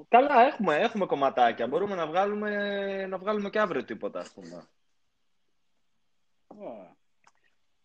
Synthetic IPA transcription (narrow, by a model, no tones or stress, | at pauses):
kɐlɐe̞xume̞e̞xume̞ko̞mɐt̪ɐcɐbo̞ɾume̞nɐvɣɐlume̞nɐvɣɐlume̞ceɐvɾiot̪ipo̞t̪ɐːspume̞̰ | ne